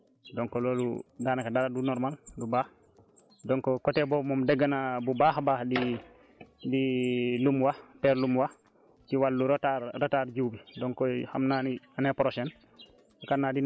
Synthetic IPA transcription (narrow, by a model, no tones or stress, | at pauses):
dɔŋkɔloːlṵdaːnakadaɾadunɔɾmaldubaːh | dɔŋkɔkɔtebɔmomdɛɡːanabubaːhbaːhdi | dilumwapɛɾlumwa | tiwalːuɾotaɾataɾd͡ʒuwbidɔŋkɔha̰mnanianepɾosɛn | ukanːadin